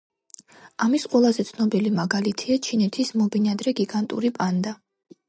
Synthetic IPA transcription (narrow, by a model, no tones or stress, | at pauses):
amisqʼwɛlˠazɛt̪sʰnɔbilimaɡalit̪ʰiat͡ʃʰinɛt̪ʰismɔbinad̪ɾɛɡiɡant̪ʼṵɾipʼand̪a